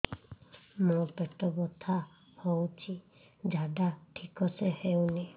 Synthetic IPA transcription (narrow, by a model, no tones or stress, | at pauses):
mopɛʈɔbɔt̪ʰa | howt͡ʃʰi | d͡ʒʱaɖaʈʰikɔsehewni